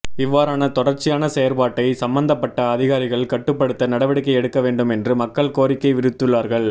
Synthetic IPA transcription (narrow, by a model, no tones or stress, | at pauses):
ɪʋːaːɾaːnɐt̪ɔɽɐɾt͡ʃːɪjaːnɐsɛjɐɾpaːʈːɐɪsɐmbɐnd̪ɐpːɐʈːɐːðɪɣaːɾɪɣɐɭkɐʈːɯpːɐɽɯt̪ːɐnɐɽɐʋɐɽɪkːɐɪɛɽɯkːɐʋeːɳɖɯmɛndrɯmɐkːɐɭkoːɾɪkːɐɪʋɪɾɯt̪ːɯɭːaːɾɣɐɭ